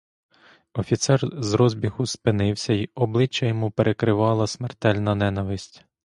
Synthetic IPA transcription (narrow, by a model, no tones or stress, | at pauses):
ɔfʲit̪sɛrzɾɔzʲbʲixʊspɪnɪwsʲɐiɔblˠɪt͡ʃːɐjɔmupeɾʔekɾɪʋɑlˠɐsmert̪ɛlʲnɐnɛnɐʋɪsʲtʲ